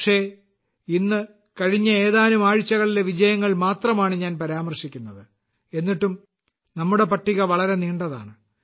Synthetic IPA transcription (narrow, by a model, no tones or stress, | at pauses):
ʂe̞ | inːɨ | kɐɻiɲːɐe̞ːðaːnumaːɻit͡ɕːɐɣɐɭile̞ʋid͡ʑɐjɐŋːɐɭmaːt̪rɐmaːɳɨɲaːnpɐɾaːmɐrʂikʲːunːɐðɨ | e̞nːiʈːum | nɐmːuɽe̞pɐʈːiɣɐʋɐɭɐɾe̞niːɳɖɐða̰ːɳɨ